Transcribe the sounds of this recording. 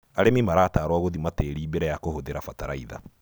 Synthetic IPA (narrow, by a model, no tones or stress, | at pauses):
aɾemimaɾaːtaːɾwaɣoðimateɾiːbeɾɛjakohoðeɾafataɾaiða̰